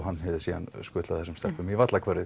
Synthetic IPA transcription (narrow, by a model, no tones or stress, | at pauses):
ɦanːhɛvðɪsiːða̰nskʏːt̪aθɛsʏmst̪ɛr̥pʏmivat̪lakʰvɛɾɪ